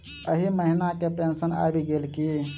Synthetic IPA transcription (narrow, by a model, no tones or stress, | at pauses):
əɦiməɦinakepẽːnsəna̰ːbʱiɡeːlki